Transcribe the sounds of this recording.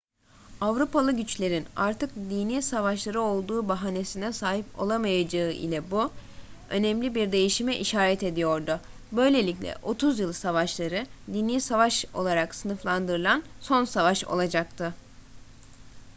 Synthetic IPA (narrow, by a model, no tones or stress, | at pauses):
avɾupalˠɯɟyt͡ʃlʲe̞ɾina̰ɾt̪ʰɯk̚d̪iniːsavaʃlˠaɾɯo̞lˠd̪uːbaɦane̞sinɛsaːɦipo̞̰lˠamajad͡ʒaɯʔḭlʲɛbuø̞nɛmlʲibiɾd̪e̞jiʃimɛʔiʃaːɾɛt̪e̞d̪ijo̞ɾd̪ʊ | bø̞jlʲe̞lʲiclʲɛ̰ʔo̞t̪ʰuzjɯlˠsavaʃlˠaɾɯd̪iniːsavaʃo̞̰lˠaɾaksɯnɯflˠand̪ɯɾɯlˠanso̞nsavaʃo̞̰lˠad͡ʒak̚t̪ʰɯ